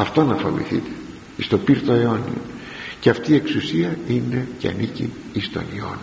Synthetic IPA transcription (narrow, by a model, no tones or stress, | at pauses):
ɐft̪o̞nɐfo̰vḭθḭt̪e̥ | ist̪o̞piɾt̪o̞eo̞nḭo | ceɐft̪iːeksusiɐine̞ceɐ̰nicḭ | ist̪o̞̰nio̞̰ni